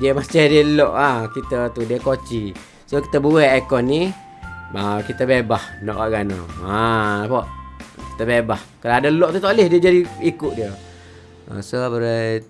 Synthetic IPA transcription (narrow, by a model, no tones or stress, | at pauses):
diəmast͡ʃadiəlɔʔakit̪ət̪udiəkot͡ʃi | soki̥t̪əbuɛakɔnːi | makit̪əbebahnɔ̰ʔaʔɡana̰aapoʔki̥t̪əbebahkəɾadəlɔʔt̪ut̪olɪhdiəd͡ʒadiikʊʔdiə | ə̰sobəɾaj